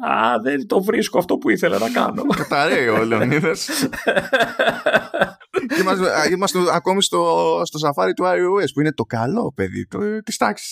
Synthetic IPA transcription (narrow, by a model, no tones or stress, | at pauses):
ɐ̰ðent̪ovɾiskoɐft̪o̞puiθelɐ̰nɐkɐ̰no̞kɐt̪ɐɾeiolioniðɐs | emɐzimɐst̪uɐko̞mist̪ost̪o̞sɐfɐɾit̪uɐiuespuine̞t̪o̞kɐlo̞pe̞ðḭt̪ut̪i̥st̪ɐksi̥s